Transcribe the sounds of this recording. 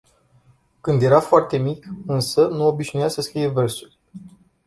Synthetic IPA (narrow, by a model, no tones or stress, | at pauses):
kɨnd̪je̞ɾafoart̪e̞mikɨnsənuo̞biʒnujasəskɾije̞vərsulʲ